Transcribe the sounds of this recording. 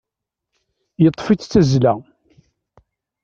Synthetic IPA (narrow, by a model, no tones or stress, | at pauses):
jət̪ˤːfit͡st͡sːæzlæ